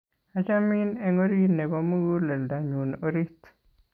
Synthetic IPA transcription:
a˨t͡ʃa˦mi˦ne˦ŋo˦ɾi˦ne˨bo˦mu˦ɡu˦lɛ˨lda˨ɲu˨no˨ɾi˦t̪

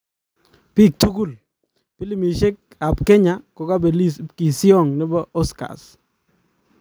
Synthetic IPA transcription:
pi˦˨k̚to˦ku˦˨l | pi˦li˦˨mi˨ʃe˦k | a˨pkɛ˦ɲa˦kɔ˨ka˦be˨li˦ki˨sɪ˦ɔ˦˨ŋnɪ˦bɔ˦ʔɔ˦ska̰˨s

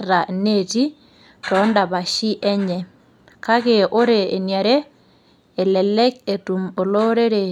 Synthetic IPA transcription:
ɾa˨ne˨ti˦ | tɔ˨˦nda˨ba˨ʃi˦ʔɛ˦ɲɛ˨ | ka˦ke˨ʔo˦ɾeː˨nja˨ɾeː˦˨ | lɛ˨lɛ˦k̚e˨tu˨mo˨lo˦ɾe˦ɾe˨

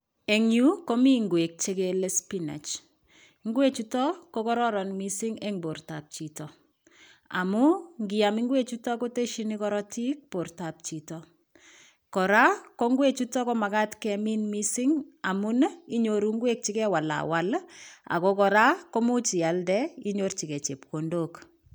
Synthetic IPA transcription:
e˨ŋju˦ko˦mi˦ŋɡwe˨k̚t͡ʃe˦ke˨le˦spi˦na̰˨t͡ʃ | ŋɡwe˦t͡ʃu˦tɔ˦ko˦kɔ˦ɾɔ˦ɾɔ˨nmi˦sɪ˦ŋe˦ŋbo˨rta˨p̚t͡ʃi˨tɔ˨ | a̰˨mu˦ŋɡɪ˨a˨mi˦ŋɡwe˦t͡ʃu˦tɔ˦ko˦te˦ʃi˦ni˦kɔ˦ɾɔ˦ti˦k̚po˨rta˨p̚t͡ʃi˨tɔ˨ | kɔ˨ɾa˦ko˦ŋɡwe˦t͡ʃu˦tɔ˦ko˦ma˨ka˦tkɛ˨mi˦nmi˦si˦ŋa˨mu˦ni˦ɲo˨ɾu˦ŋɡwe˦k̚t͡ʃi˦kɛ˦wa˨la̰˨wa˦la̰˨ko˦kɔ˨ɾa˦ko˦mu˦t͡ʃi˨a˨ldɛ˦i˦ɲo˦rt͡ʃi˨kɛ˨t͡ʃe˨p̚ko˨ndo˨k

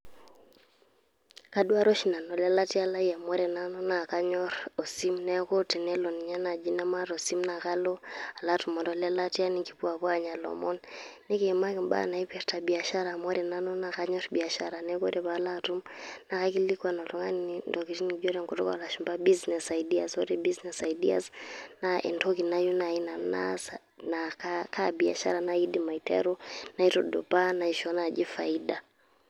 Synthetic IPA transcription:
ka˨˦du˦a˦ɾɔ˦ʃi˨na˨nɔ˨lɛ˦la˦ti˦a˦la˦ja˨mɔ˦ɾɛ˨na˦nɔ˦na˨ka˦ɲɔ˦ɾɔ˨si˦mnɛ˦ko˦ti˨nɛ˦lɔ˨ni˨ɲa˦na˨d͡ʒi˦na˦ma˦ɾɔ˨si˦mna˨ka˦lo˦a˨la˦tu˨mɔ˨ndɔ˨lɛ˦la˦ti˦a˦ni˦ŋɡi˨pu˦a˨βwa˦ɲa˨lɔ̰˨mɔ˦nː | e˦ke˨ma˦kɪ˨mba̰˦˨na˨i˦pɛ˨ɾta˨bi˨a˨ʃa˦ɾa˨mɔ˦ɾɛ˨na˦nɔ˦na˨ka˦ɲɔ˦ɾbi˨a˨ʃa˦ɾa˨nɛ˦ko˦ɾɛ˨βa˨˦la˦tu˦mna˨ɣa˦kilikwanɔ˨tɔŋaniindɔkiʃinid͡ʒɔɾɛŋkɔtɔkaalaʃimbabiznɛsaidiasɔ̰ɾɛbiznɛsaidia̰snaʔɛ̰ntɔkinajunaina˨na̰s | nakkʰabia̰ʃa̰ɾanaidima˨itʰɛ̰ɾɔna˨itɔɗɔ̰panaiʃɔnad͡ʒifaida

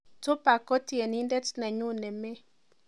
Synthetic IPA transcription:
tʊ˦pa˨kɔ˦tje˨ni˦ndɛ˦tnɛ˨ɲu˦nɛ˨me˦

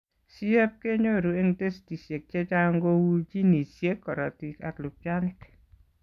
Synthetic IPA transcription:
si˦ɛ˦p̚ke˦ɲo˦˨ɾu˨e˦ŋte˦sti˨sje˨k̚t͡ʃɛ˦t͡ʃa˦ŋɡo˦wu˦d͡ʒi˦ni˨sje˦kːɔ˨ɾa˨ti˨ka̰˨klu˨pja˦nɪ˦k

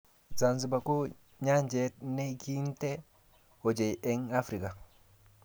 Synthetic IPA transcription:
za˨nzi˨ba˨ko˦ | ɲa˦ɲd͡ʒe˦t̚ne˦ki˦nte˦ | o˨d͡ʒe˨je˦ŋa˦fɾi˨ka˨

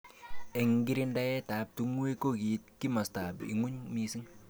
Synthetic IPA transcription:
ɛ˨ŋɡi˦ɾi˦nda˦jɛ˦ta˨p̚tu˦ŋwe˦ko˦˨ki˨t̚ki˦mɐ˨sta˨bḭ˨ŋʊ˦ɲmi˦si˦ŋ

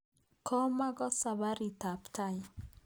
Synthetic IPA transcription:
kʰɔ˦ma˦ɡɔ˦sa˨βa˦ɾi˨ta˨pta˦i

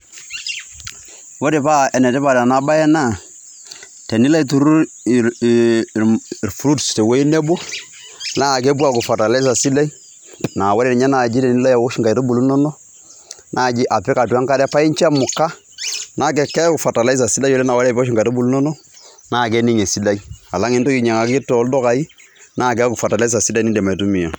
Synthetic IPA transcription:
wo˦ɾe˨pa˦ɛ˨nɛ˨tɛ˦pa˨da˨na˦ba˦jɛ˦na˦˨ | tɛ˨ni˦la˦i˨˦tu˨ɾu˦˨ | ɾfɾu˦dstɛ˨wo˦i˦nɛ˦bo˦ | na˦˨k̬ɛ˦bu˦a˨kʊ˨fa˨ta˨la˦s̬a˨si˦la˦i˦ | na˨wa˦ɾɛ˦ɾɲa˦na˨d͡ʒi˦tɛ˨ni˦la˦ja˨wo˦ʃi˦ŋka˨jta˦bu˨lu˦nɔ˦nɔ˦ | nʔa˦˨d͡ʒi˦ʔa˨pɛ˦ka˨ta˦ŋka˦dɛ˦pa˦i˦nt͡ʃa˦mu˨kːa˦ | na˦k̬e˨kːɛ˦ku˨fa˨ta˨la˦i˦s̬a˨si˦la˦o˦lɛ˦na˨wa˦˨bʃi˦ŋka˨to˦bu˨lu˦no˦nɔ˦ | na˦˨k̬e˦ni˦ŋe˨si˦la˦ja˨la˦ŋe˦nto˦ki˨ɲe˨ŋa˨ɡi˦to˨˦ldo˦ka˨i˦ | na˦˨k̬a˦ku˨fa˨ta˨la˦s̬a˨si˦la˦˨ni˦dɛ˨ma˨tu˦mi˨o˨

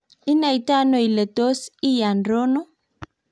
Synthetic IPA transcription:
i˦na˨jta˦no˨jle˨to˦si˦ja˨nɾo˦no˦

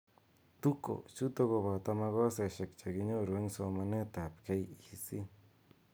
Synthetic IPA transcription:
t̪u˦ko̰˨t͡ʃu˦t̪o˦ɣo˧βa˨t̪a˧ma˧ɣo˦se˨ʃe˨kt͡ʃa˨ɡi˦ɲo˦ɾu˨e˦ŋso˧ma˧ne˦t̪a˨pke˦jisi˦

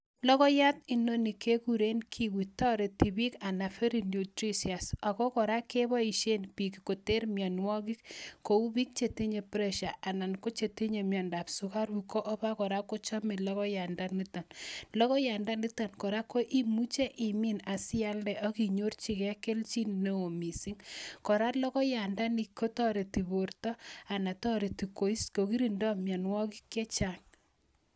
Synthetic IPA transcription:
lɔ˦kɔ˦ja˦t̪i˨no˦ni˨ke˦kuɾe˦nkʰi˨wi˨tɔ˦ɾe˨ti˨bi˦ka˨na˨fe˦ɾi˨nu˨tɾi˦sia˨sa˨kɔ˦kɔ˨ɾa˦ke˦βɔ˦i˨ʃe˦npi˨kiko˨te˦ɾmjɔ˨nwɔ˦kɪ˦kko˨u˦βi˦k̚t͡ʃe˨ti˦ɲe˨pɾɛ˦ʃa˨ʔa˨na˨nko˦t͡ʃe˨ti˦ɲe˨mjɔ˨nda˨psu˦ka˦ɾu˨kɔ˦ʔɔ˦ba˦kɔ˨ɾa˦ko˦t͡ʃɔ˦me˨lɔ˦ɣɔ˦ja˨nda˦ni˦tɔ˨nlɔ˦kɔ˦ja˨nda˦ni˦ta˨nkɔ˨ɾa˦ko˦ʔi˦mu˦t͡ʃe˦ʔi˨mi˦na˨sɪ˦a˦ldɛ˨ʔɔ˦ki˨ɲo˦rt͡ʃi˦˨kɛ˦ke˦lt͡ʃi˦n˨ne˦o˨mi˨si˦ŋkɔ˨ɾa˦lɔ˦kɔ˦ja˨nda˦ni˨kʰːo˦tɔ˦ɾe˨ti˨βo˨rtɔ˦a˨na˨tɔ˦ɾe˨ti˨ko˨i˦sko˨ki˦ɾi˨ndɔ˦mja˨nwɔ˦ki˦kːe˦t͡ʃa˦ŋ

